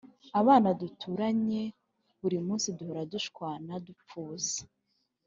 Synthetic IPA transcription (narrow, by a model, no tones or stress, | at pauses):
aβaːnadutʰuɾaɲe̞ | βuɾimuːnsiduhoɾaduʃkwaːnadup͡fuːzḁ